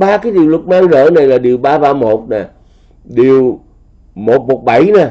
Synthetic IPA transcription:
ɓaː˧kaː˨˦jɗi˨˩əwlə˨˩t̚maː˧ŋzə̰ː˧˨na˨˩jlaː˨˩ɗi˨˩əwɓaː˧ɓaː˧mo˨˩t̚naː˨˩ | ɗi˨˩əw | mo˨˩t̚mo˨˩t̚ɓa˧˩jnaː˨˩

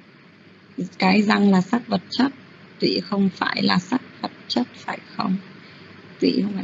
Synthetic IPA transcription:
kaː˨˦jza˧ŋlaː˨˩sa˦˥k̚və˨˩t̚t͡ɕə˦˥t̚ | t̪wḭ˧˨xə˧wŋ͡mfa̰ː˧˩jlaː˨˩sa˦˥k̚və˨˩t̚t͡ɕə˦˥t̚faː˧˩jxə˧wŋ͡m | t̪wḭ˧˨hə˧w

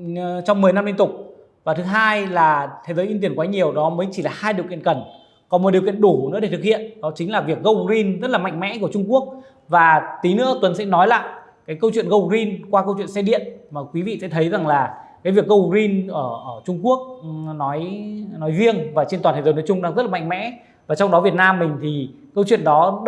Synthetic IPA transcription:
t͡ɕɔ˧wŋ͡mmɨ˨˩jna˧mli˧nt̪ʊ˨˩k͡p̚ | vaː˨˩t̪ʰɦaː˧jlaː˨˩t̪ʰe˨˦jzəː˨˦ʔi˧nt̪i˧˩ənkwaː˨˦ɲi˨˩əwɗɔ˨˦məː˨˦jt͡ɕi˧˩laː˨˩haː˧jɗi˨˩əwkḭ˧˨ənkə˧˩n | kɔ˨˦mɔ˨˩ɗi˨˩əwkḭ˧˨ənɗu˧˩nɨ̰˧˥ɗe˧˩t̪ɨ˨˩k̚hḭ˧˨ənɗɔ˨˦t͡ɕï˨˦ŋ̟laː˨˩vi˨˩ək̚ɣə˧wzi˧nzə˦˥t̚laː˨˩ma̰˧˨jŋ̟mɛ̰˧˥ku˧˩ə˩t͡ɕʊ˧ŋ͡mku˦˥ək̚ | vaː˨˩t̪i˨˦nɨ̰˧˥əkwə˨˦nsɛ̰˧˥nɔ˨˦jla̰ː˧˨j | kaː˨˦jkə˧wt͡ɕwḭ˧˨ənɣə˧˩wzi˧nkwaː˧kə˧wt͡ɕwḭ˧˨ənsɛ˧ɗḭ˧˨ənmaː˨˩kwi˨˦vḭ˧˨sɛ̰˧˥t̪ʰə˨˦jza˨˩ŋlaː˨˩kaː˨˦jvi˨˩ək̚ɣə˧wzi˧nʔəː˧˩ʔəː˧˩t͡ɕʊ˧ŋ͡mku˦˥ək̚nɔ˨˦jnɔ˨˦jzi˧əŋvaː˨˩t͡ɕe˧nt̪waː˨˩t̪ːzə˨˦nə˨˦t͡ɕʊ˧ŋ͡mɗaː˧ŋzə˦˥t̚lːa̰˧˨ŋ̟mɛ̰˧˥ | vaː˨˩t͡ɕɔ˧wŋ͡mɗɔ˨˦vi˨˩ət̚naː˧mːï˨˩ŋ̟t̪ʰi˨˩kə˧wt͡ɕwi˧˨ənɗɔ˨˦

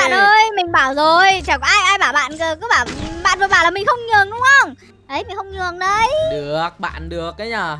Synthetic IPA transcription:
ɓa̰ː˧˨nʔəː˧jmï˨˩ŋ̟ɓaː˧˩wzo˨˩jt͡ɕa˨˩kʔaː˧jʔaː˧jɓaː˧˩wɓa̰ː˧˨nkə˨˩kɔ˨˦ɓaː˧˩wɓa̰ː˧˨nvəː˨˩ɓaː˧˩laː˨˩mï˨˩ŋ̟xə˧wŋ͡mɲɨ˨˩əŋɗʊ˨˦wŋ͡mhə˧wŋ͡m | ɗə˨˦jmï˨˩ŋ̟xə˧wŋ͡mɲɨ˨˩əŋɗə˨˧˦jɗɨ˨˩ək̚ɓa̰ː˧˨nɗɨ˨˩ək̚ːaː˨˦ɲaː˨˧˩

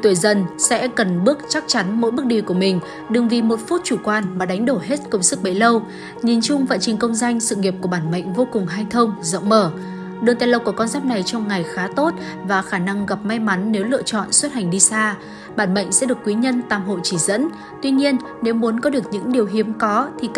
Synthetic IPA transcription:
t̪wi˧˩jzə˧˩nsɛ̰˧˥kə˨˩nɓɨ˦˥ək̚t͡ɕa˦˥k̚t͡ɕa˨˦nmo̰˧˥jɓɨ˦˥ək̚ɗi˧˩ku˧˩əmï˨˩ŋ̟ | ɗɨ˨˩ŋvi˨˩mo˨˩t̚fu˦˥t̚t͡ɕu˧˩kwaː˧nmaː˨˩ɗa˨˦ŋ̟ɗo˧˩ɦe˦˥t̚kʊ˧ŋ͡msɨ˦˥k̚ɓe˨˦jlə˧w | ɲi˨˩nt͡ɕʊ˧ŋ͡mva̰ː˧˨nt͡ɕï˨˩ŋ̟kə˧wŋ͡mza˧jŋ̟sɨ̰˧˨ŋi˨˩əp̚ku˧˩əɓaː˧˩nmə̰˧˨jŋ̟vo˧kʊ˨˩ŋŋ͡mɦaː˧jt̪ʰə˧wŋ͡mzə̰˧˨wŋ͡mməː˧˩ | ɗɨ˨˩ŋt̪aː˧˨lə˧˩wku˧˩əkɔ˧nzaː˦˥p̚na˨˩jt͡ɕɔ˧wŋ͡mŋa˨˩jxaː˨˦t̪o˦˥t̚ | vaː˨˩xaː˧˩na˧ŋɣa˨˩p̚ma˧jma˨˦nːe˨˦wlɨ̰˧˨ət͡ɕɔ̰˧˨nswə˦˥t̚ha˨˩ŋ̟ɗi˧saː˧ | ɓaː˧˩nmə̰˧˨jŋ̟sɛ̰˧˥ɗɨ˨˩əkːwi˨˦ɲə˧nt̪aː˧˩mɦo̰˧˨jt͡ɕi˧˩zə̰˧˥n | t̪wi˧ɲi˧ənːe˨˦wmu˨˦ənkɔ˨˦ɗɨ˨˩ək̚ɲɨ̰˧˥ŋɗi˨˩əwɦi˨˦əmkɔ˨˦t̪ʰi˨˩

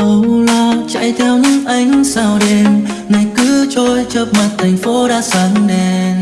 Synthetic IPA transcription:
ʔə˨˧˩wlaː˧t͡ɕa̰˧˥˨jt̪ʰɛ˧wɲɨ̰˧˥ŋʔa˧˩jŋ̟saː˧˩wɗe˧mna˨˩jkɨ˧˥t͡ɕo˧˦jt͡ɕə˧p̚ma˨˩t̚t̪ʰa˨˩jŋ̟fo˨˦ɗaː˧˥sa˨˦ŋnɛ˧n

